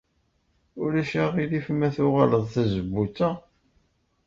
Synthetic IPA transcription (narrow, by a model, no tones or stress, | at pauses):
ʊlæʃæʁilifmæθʊʁaləðˤθæzəbːut͡sːæ